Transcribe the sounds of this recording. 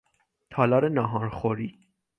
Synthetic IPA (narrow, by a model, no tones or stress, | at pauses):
t̪ʰɑlɑɾɛnɑɦɑɾχɔɾi